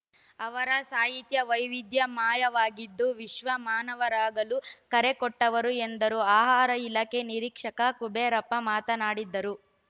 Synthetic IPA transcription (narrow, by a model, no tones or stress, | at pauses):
ɐʋɐɾɐsaːɦit̪jɐʋɐjʋid̪jɐmaːjɐʋaːɡid̪ːuʋiʃʋɐmaːnɐʋɐɾaːɡɐlukɐɾekɔʈːɐʋɐɾuend̪ɐɾuaːɦaːɾɐilɐke̞niɾiːkʂɐkɐkubeːɾɐpːɐmaːt̪ɐnaːɽid̪ːɐɾu